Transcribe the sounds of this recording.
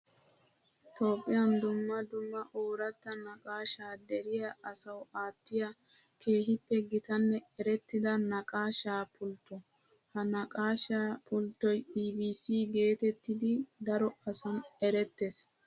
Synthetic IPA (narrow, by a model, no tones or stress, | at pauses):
t̪oːpʼːɪjɐnd̪ʊmːɐd̪ʊmːɐʔoːɾɐt̪ːɐnɐkʼaːʃaːd̪ɛɾɪjɐʔɐsɐwaːt̪ːɪjɐ | kʰe̞ːɦɪpːɛɡɪt̪ɐnːɛɛɾɛt̪ːɪd̪ɐnɐkʼaːʃaːpʰʊlt̪ːɔ | hɐnɐkʼaːʃaːpʰʊlt̪ːɔjiːbiːsiːɡe̞ːt̪ɛt̪ːɪd̪ɪd̪ɐɾɔɐsɐnɛɾɛt̪ːes